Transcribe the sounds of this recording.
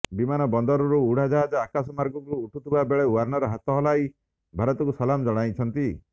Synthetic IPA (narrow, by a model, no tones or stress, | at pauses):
bimanɔbɔnd̪ɔɾɔɾuuɽ̤ad͡ʒaɦad͡ʒɔakasɔmaɾɡɔkuɾuːʈʰut̪ʰibabeɭewaɾnɔɾɔɦat̪ɔɦɔlaj | bʱaɾɔt̪ɔkusɔlamd͡ʒɔɽ̃ajt͡ʃʰɔnt̪i